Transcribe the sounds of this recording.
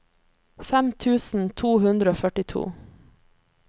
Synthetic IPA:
fɛmt̪ʰʉːsn̩t̪ʰuːhʉnd̪ɾəoːfœʈɪt̪ʰṵː

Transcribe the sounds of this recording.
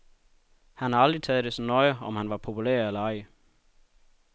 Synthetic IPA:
hænhɑ̈ɑ̈ld̥ʁit͡sʰɛːð̩ˠd̥e̝sɒnɒɪɒ̽mhænʋɑ̈pʰo̝pʰulæ̰ɐelɐɑ̈ɪə

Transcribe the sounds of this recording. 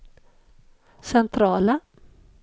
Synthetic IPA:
sɛnt̪ʰɾɑːla

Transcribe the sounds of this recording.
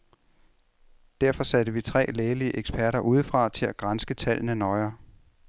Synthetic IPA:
d̥æɐfɒ̽sæɾəʋit͡sʰʁɛ̰ːleːliəʔeɡ̥spʰæɐɾɐʔuːð̞ˠfʁɑ̈t͡sʰe̝læɡ̥ʁansɡ̥ət͡sʰæl̰nənɒ̽ɪɐː

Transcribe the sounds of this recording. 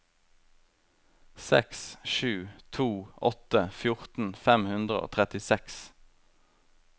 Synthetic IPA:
sɛ̰ksʃʉːt̪ʰuːʔɔt̪əfjʊʁt̪n̩fɛmhʉnd̪ʁəo̰ːt̪ʰʁɛt̪ɪsɛks

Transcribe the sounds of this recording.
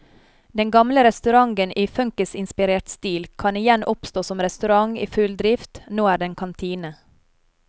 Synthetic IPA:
d̪ɛŋɡɑmləɾɛst̪ʉɾɑŋɡənʔiːfœŋkəsɪnspɪɾeːʈst̪iːlkʰɑnɪjɛnʔɔpst̪oːsɔmɾɛst̪ʉɾɑŋḭːfʉld̪ɾɪft̪noːæːɖɛnkʰɑnt̪ʰiːnə

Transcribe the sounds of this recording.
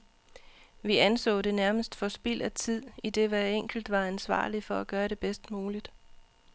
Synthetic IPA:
ʋiænsɔ̰̽ːd̥e̝næɐməsd̥fɒ̽sb̥il̰æt͡sʰið̞̰ˠid̥e̝ʋæeŋ̰ɡ̥l̩d̥ʋɑ̈ænsʋɑ̰̈ːlifɒ̽æɡ̥ɶːɐɾe̝b̥esd̥muːlid̥

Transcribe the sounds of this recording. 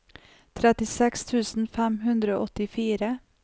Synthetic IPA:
t̪ʰɾɛt̪ɪsɛkst̪ʰʉːsn̩fɛmɦʉnd̪ɾəo̰ːʔɔt̪ɪfiːɾə

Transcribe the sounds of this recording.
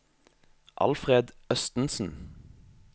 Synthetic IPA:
ʔɑ̰lfʁeːd̪œst̪n̩sn̩

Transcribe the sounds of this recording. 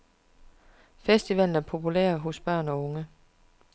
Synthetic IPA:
fesd̥iʋæln̩æɐpʰo̝pʰulḛɐɦo̝sb̥ɶɐ̰nɒ̽ɔ̽ŋə

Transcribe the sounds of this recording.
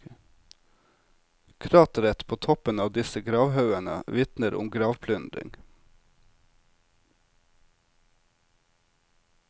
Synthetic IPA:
kʰɾɑːt̪ɾɛt̪pʰoːt̪ʰɔpənɑːʋd̪ɪsəɡɾɑːʋhɑʉænə̰ʋɪt̪nəɾʔʊ̰mɡɾɑːʋpʰlʉnd̪ɾɪ̰ŋ

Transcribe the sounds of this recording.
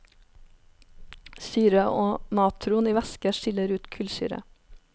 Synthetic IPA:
syːɾəʔoːmɑːt̪ʰɾʊːniːʋɛskəʃɪləɾʉːt̪kʰʉlsy̰ːɾə̰

